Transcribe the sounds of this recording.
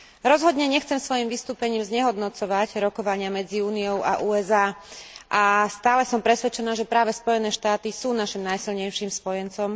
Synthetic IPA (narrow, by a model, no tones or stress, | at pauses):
ɾɔzɦɔd̪ɲɛɲɛxt͡sɛmsʋɔjimʋist̪uːpɛɲiːmzɲɛɦɔd̪nɔt͡sɔʋaɟɾɔkɔʋaɲɪamɛd͡ziuːnijɔʊʔa̰ʔuːɛzaːʔast̪aːlɛsɔmpɾɛsʋɛt͡ʃɛnaːʒɛpɾaːʋɛspɔjɛnɛːʃt̪aːt̪isuːnaʃimnajsilɲɛjʃiːmspɔjɛnt͡sɔm